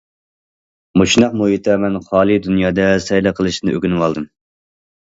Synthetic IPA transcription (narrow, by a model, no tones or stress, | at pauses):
mot͡ʃnɑq̚muhit̪ʰɛmɛnχɑːlˠid̪unjɑːd̪ɛsɛjlˠɨqʰəlˠɨʃnɨøɡʲnɨwɑlˠd̪ɨm